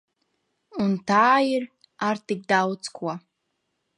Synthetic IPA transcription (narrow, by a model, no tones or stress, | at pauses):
untʰaːir | artʰik̚dawt͡skʰʷa